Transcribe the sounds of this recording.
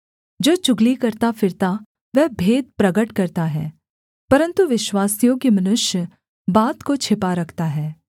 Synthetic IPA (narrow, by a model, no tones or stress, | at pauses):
d͡ʒoːt͡ʃʊɡlikɐɾt̪afɪɾt̪a | ʋɛɦbʱeːd̪̚pɾɐɡəʈkɐɾt̪aɦɛ̰ː | pɐɾə̃nt̪uʋɪʃwaːsijõkimɐnʊʃjə | baːt̪kot͡ʃʰɪpaɾɐkʰt̪aɦɛː